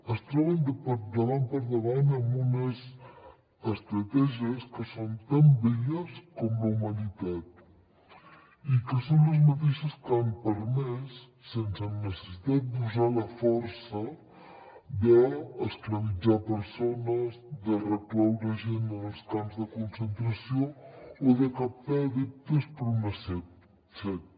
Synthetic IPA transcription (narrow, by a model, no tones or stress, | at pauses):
əst̪ɾɔβənd̪əpəɾd̪əβampəɾðəβanəmbunəz | əst̪ɾət̪ɛʒiəskəsont̪ambɛʎəskɔmləumənit̪at̪̚ | ikəsonləzmət̪iʃəskampəɾmɛsː | ensənnəsə̥sit̪at̪̚d̪uzalɐfɔɾsɐ | d̪əːsklɐβid͡ʒapəɾsonɐzðərəklawɾəʒenəlskamzðəkonsent̪ɾɐsjoːðəkafɛðip̚t̪əspɾunəsɛ | sɛ